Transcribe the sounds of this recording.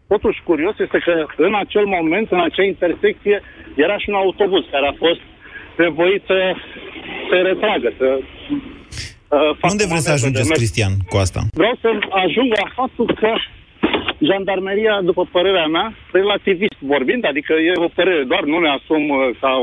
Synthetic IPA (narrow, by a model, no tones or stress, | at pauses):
t̪o̞t̪uʃʲkuɾio̞sje̞st̪e̞kəɨnat͡ʃe̞lmo̞me̞nt̪ɨnat͡ʃeaint̪e̞rse̞k̚t̪sije̞ | je̞ɾaʃiunaut̪o̞buzkaɾeafo̞st̪̚ne̞vo̞it̪sə | seɾe̞t̪ɾaɡəsə | faund̪evɾessəaʒund͡ʒeskɾist̪iankuast̪a̰vɾeawsəaʒuŋɡlafap̚t̪ulkə | ʒand̪armeɾijad̪upəpəɾe̞ɾeameaɾe̞lat̪ivist̪vo̞rbind̪ad̪ikəje̞o̞pəɾe̞ɾe̞d̪oarnune̞asumka